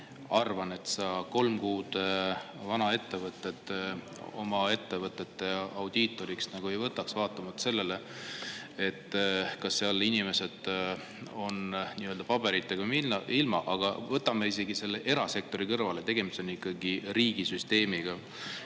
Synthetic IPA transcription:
ɑrvɑne̞t̪sɑko̞lmkuːd̪̥ | vɑnɑe̞t̪ːe̞vɤt̪ːˑe̞t̪ | o̞̰mɑe̞t̪ːe̞vɤt̪ːˑe̞t̪ːe̞ɑwd̪̥iːt̪ːˑo̞ɾiksnɑɡ̥ue̞jvɤt̪ːˑɑksvɑːt̪ːˑɑmɑt̪se̞lːe̞le̞ | e̞t̪ːˑkɑsːeɑlinʲime̞se̞d̪̥ | o̞nniːøld̪ɑpɑb̥e̞ɾit̪ːekumiɑilmɑ̰ʔɑɡ̥ɑ̰vɤt̪ːˑɑmeise̞ɡ̥ise̞lːeʔe̞ɾɑse̞k̚t̪o̞ɾikɤrvɑlet̪e̞ɡ̥e̞mist̪o̞nikːˑɑɡiriːɡ̥isyst̪e̞ːmiɡ̥ɑ

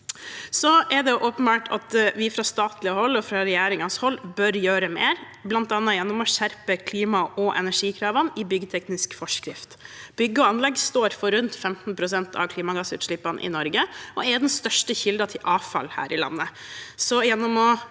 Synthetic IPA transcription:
sɔʔɛd̪ɛjʊʔopənbɑːʈʰɑ̰t̪ʋɪfɾɑst̪ɑːt̪lɪəhɔlːɔfɾɑɾɛjæːɾɪŋɑnshɔlːbœɾjøːɾəmeːɾ | blɑnt̪ɑːnːɑjɛnːɔmɔɕæɾpəkʰliːmɑʔɔʔɛ̰næʂiːkʰɾɑːʋɑnɪbʏɡət̪ʰɛknɪskfɔʂkɾɪft̪b̥ʏɡːəɔɑnlɛɡst̪oːɾfɔɾʉnt̪fɛmt̪n̩pʰɾʊsɛnt̪ʰɑ̰ʋkʰliːmɑɡɑsʉ̰ːt̪ʂɭɪpːɑnʔɪ̰nɔɾɡəʔɔɛd̪ɛnst̪œʂʈəçɪld̪ɑt̪ʰɪlʔɑːʋfɑ̰lhæ̰ːɾʔɪlɑ̰nːəsɔjɛnːɔmɔ

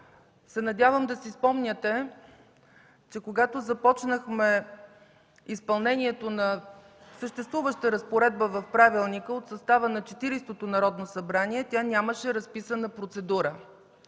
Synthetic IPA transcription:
sɛnɐd̪ʲavəmd̪ɐsispɔmnʲət̪ɛ | t͡ʃɛkoɡat̪ozɐpɔt͡ʃnəxmɛ | ispɐlˠnɛniɛt̪onɐ | səʃt̪ɛst̪vuvəʃt̪əɾəspoɾɛd̪̚bəvɐfpɾavilˠnikəot̪sɐst̪avənɐt͡ʃɛt̪iɾist̪ot̪onɐɾɔd̪nosɐbɾaniɛt̪ʲanʲaməʃɛɾɐspisənəpɾot̪sɛd̪uɾə

